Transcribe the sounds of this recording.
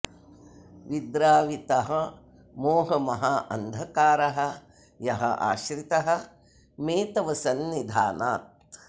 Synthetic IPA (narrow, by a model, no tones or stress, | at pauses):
ʋid̪ɾaːʋit̪ɐɦɐ | moːɦɐmɐɦaːʔɐnd̪ʱɐkaːɾɐɦɐ̆ | jɐɦɐ̰ʔa̰ːʃɾit̪ɐɦɐ̆ | meːt̪ɐʋɐsɐnʋid̪ʱaːnaːt̪̚